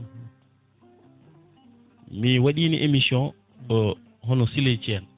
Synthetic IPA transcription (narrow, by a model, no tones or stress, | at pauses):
miwaɗiːniʔemisjɔ̃n | ɗɔ | ɦɔnɔsilet͡ʃiɛn